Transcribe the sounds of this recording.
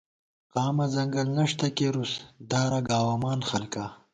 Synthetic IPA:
qɑːmɐzɐŋɡɐlnɐʂt̪ɐkeɾusd̪aːɾaɡaːwamɑːnxɐlka

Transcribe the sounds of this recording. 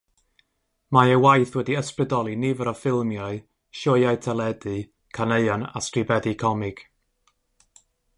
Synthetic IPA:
maəwajθwɛdiəsprɨdɔlˠinivəɾɔfɪlˠmjɔɨ | ʃɔjajtʰɛlˠɛdɨ | kʰaneɨɔna̰stribɛðɨkʰɔmɪɡ̥

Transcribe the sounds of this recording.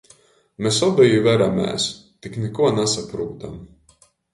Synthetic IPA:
mesɔbɛjivæɾamɛ̰ːst̪iknɛkuɔnasapɾuːt̪am

